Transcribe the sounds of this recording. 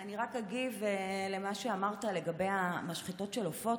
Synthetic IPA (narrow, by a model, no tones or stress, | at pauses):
aniʁakaɡivele̞maʃeamaʁtale̞ɡabejamaʃχito̞tʃelofo̞